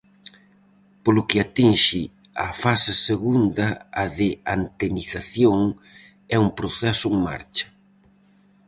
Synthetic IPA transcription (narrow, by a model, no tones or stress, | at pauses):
polʊkɪat̪inʃɪ | a̰fasɪseɣund̪ɐaðɪant̪eniθaθjoŋ | ɛumpɾoθɛsʊeŋma̰ɾt͡ʃɐ̥